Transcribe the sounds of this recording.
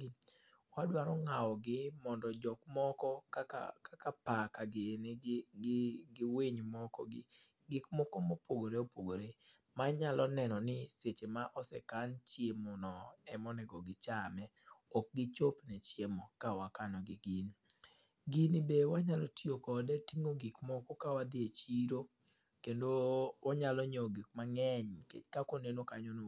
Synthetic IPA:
wadwaɾɔŋawɔɡɪmɔndɔd͡ʒɔkmɔkɔkaa̰kakapakaɡɪnɡɪɡɪweɲmɔkɔ̰ɡɪ̰ | ɡɪkmɔkomopʰoɡoɾeopoɡoɾe | maɲalɔnɛnɔnɪset͡ʃemaʔɔsɛkant͡ʃjemonɔɛmɔnɛɡɔɡɪt͡ʃamɛ | ɔk̚ɡɪt͡ʃopnɛt͡ʃjemɔkawakanɔɡɪɡin | ɡinɪbewaɲalɔtiokɔdɛtiŋoɡɪkmɔkokawad̪ɪet͡ʃiɾo | kendowʔaɲalɔɲoɡik̚maŋɛɲkḛkakonenokaɲono

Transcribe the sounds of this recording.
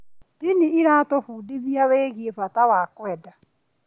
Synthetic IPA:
tiniːɾaːtofuːdiðiaweːɣiefatawakwɛda

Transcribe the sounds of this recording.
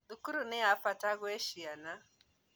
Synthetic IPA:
dukuɾunɛafataɣwɛʃiana

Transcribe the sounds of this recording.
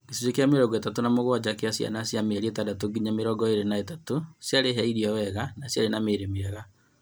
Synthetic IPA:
kesiɾokeameɾɔɡɔetatonamoɣwad͡ʑakeasja̰nasjameɾietadatoɡiɲameɾɔɡɔeɾenaetatosjaɾeɦɛiɾiɔwɛɣanasjaɾenameɾemeɛɣa

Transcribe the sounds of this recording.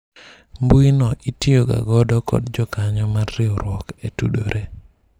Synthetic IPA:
mbuinɔʔitioɡa̰ɡɔdɔkɔ̰dd͡ʒɔkaɲɔmarːɪɔɾwɔketṵdoɾʔe

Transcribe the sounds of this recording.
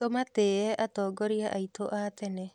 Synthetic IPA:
ɔmateːɛʔatɔːɡɔɾiaʔaitʰoʔat̪ɛnɛ

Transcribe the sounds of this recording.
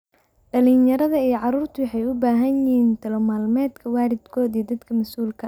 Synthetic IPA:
ɖɐlinjɐɾɐðɐijɔʕɑɾuːrt̪ʰʊwħɑjʊbaːɦɐnɪiːnt̪ʰɐlɔmaːlmɛːd̪kʰɐwaːɾɪd̪kʰɔːd̪iːd̪ɐd̪kʰɐmɐsuːlkʰɐ

